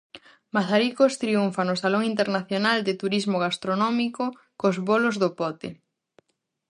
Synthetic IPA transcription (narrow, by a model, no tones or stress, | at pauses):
maθaɾikost̪ɾiuɱfanosaloŋint̪eɾnaθjonald̪ɪt̪uɾizmoɣast̪ɾonɔmiko | kozβolozðopɔt̪e